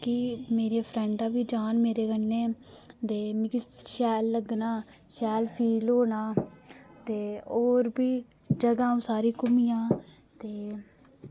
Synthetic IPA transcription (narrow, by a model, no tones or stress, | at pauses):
kɪmeːɾeːpʰɾɛ̃ːɳɖãːbiːd͡ʒaːnmeːɾeːɡənːẽːd̪eːmikɪʃɛːlːəɡnaː | ʃɛːlpʰiːloːnaːt̪eːoːɾbiː | d͡ʒəɡãːũːsaːɾiːkʊmijãː | t̪eː